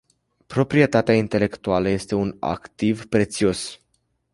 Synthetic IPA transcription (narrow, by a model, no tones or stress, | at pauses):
pɾo̞pɾie̞t̪at̪eaint̪e̞le̞kt̪ualəje̞st̪e̞una̰kt̪ivpɾe̞t̪sio̞s